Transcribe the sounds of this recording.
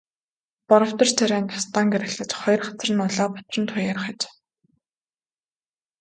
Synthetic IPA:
pɔɾɞ̆w̥t̪ɞ̆rt͡sʰæɾʲæːnt̪ʰḁst̪aːŋɡeɾɘ̆xɮɘ̆t͡ɕχɔjɞ̆rχat͡s̆rɘ̆nʊɮɔːpḁt͡s̪rə̆nt̪ʰʊjarχat͡ɕ

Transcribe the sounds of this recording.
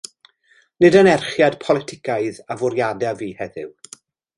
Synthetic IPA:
nɨdənɛrχjadpʰɔlˠɪtʰɪkʰaɨðavʊɾjadɛviːhɛðɪ̰w

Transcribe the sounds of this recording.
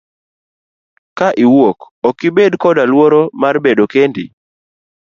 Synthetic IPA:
kaʔiwok | ɔkːɪbedkɔdalwoɾomarbedokendɪ̰

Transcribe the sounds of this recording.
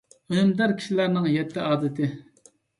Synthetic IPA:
ønmd̪æɾkʲʰi̥ʃilæɾnɪŋjɛt̪ʰːɪʔɑːd̪ɪt̪ʰɪ

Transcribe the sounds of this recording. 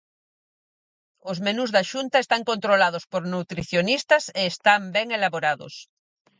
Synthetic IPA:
ozmenuzðaʃunt̪aest̪aŋkont̪ɾolað̞ospoɾnut̪ɾiθjonist̪ɐseːst̪ambɛŋelaβoɾaðo̰s

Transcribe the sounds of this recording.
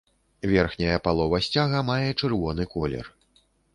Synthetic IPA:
vʲɛrxnʲɐjɐpalˠɔvɐsʲt͡sʲaɣɐmajɛt͡ʂɨrvɔnɨkɔlʲɛ̰r

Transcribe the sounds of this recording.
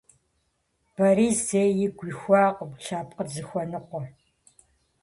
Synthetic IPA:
b̥ɐɾiːzeːjɪɡʷiːxʷɑːqʷʼʊpɬaːp̚ʼqʼəzɨxʷɔnɨqʷɔ

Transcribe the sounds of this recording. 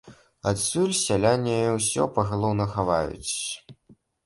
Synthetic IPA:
at̪sʲulʲsʲalʲanʲːɐjɔwsʲɔ̰pɐɣalˠɔwnɐxavajṵt͡sʲ

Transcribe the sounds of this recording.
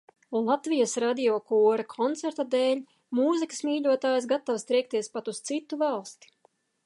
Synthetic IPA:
lˠat̪vijasɾad̪iɔkuːɾakʰɔnt̪sɛɾt̪ad̪ɛːlʲ | muːzikɨ̥smʲiːʎʲuɔt̪aːjs̬ɡat̪ːawst̪ɾɛjk̚t̪iɛspat̪ust̪sit̪ːuvalˠst̪i̥

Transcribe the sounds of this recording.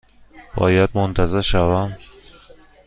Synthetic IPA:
b̥ɒ̰ːjad̪̚mont̪ʰæzeɾʃævæm

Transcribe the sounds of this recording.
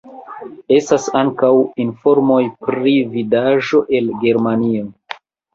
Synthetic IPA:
e̞stasaŋkawinfo̞ɾmo̞jpɾividaʒo̞ʔe̞lɡe̞ɾmanio̞

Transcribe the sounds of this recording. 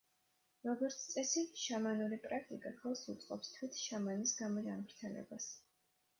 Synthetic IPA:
ɾɔɡɔɾt̪sʰt̪ʼɛsiʃamanuɾipʼɾak̚ʰt̪ʼikʼakʰɛlˠsṵt̪sʼqʼɔ̰pst̪ʰwit̪ʰʃamanisɡamɔd͡ʒanmɾt̪ʰɛlɛ̰bas

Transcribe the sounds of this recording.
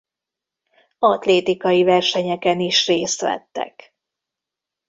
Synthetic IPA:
ɒt̪leːt̪ikɒjivɛrʃɛɲɛkɛniʃreːst̪ʋɛ̰t̪ːɛ̰k

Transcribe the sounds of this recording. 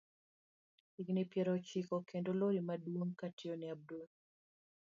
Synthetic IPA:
iɡnipjeɾot͡ʃikokendoloɾimadwoŋkationiab̚do

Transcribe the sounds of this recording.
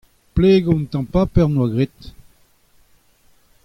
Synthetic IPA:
pleːɡɔ̃nt̪ɑ̃papɛʁnwaɡʁet̪

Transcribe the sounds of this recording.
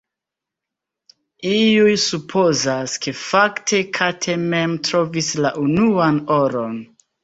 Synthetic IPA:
iujsupʰo̞zaske̞faktʰe̞kʰatʰe̞me̞mtɾo̞vislaʔunuano̞ɾo̞n

